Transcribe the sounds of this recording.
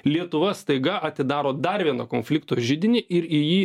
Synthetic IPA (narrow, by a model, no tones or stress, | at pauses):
lʲiɛt̪ʊʋɐst̪ɐɪɡɐʔɐt̪ʲɪd̪ɑːɾoːd̪ɐɾʋʲiɛnɐkoːnʲfʲlʲɪkt̪oːʒʲɪd̪ʲɪnʲɪʔɪɾɪjiː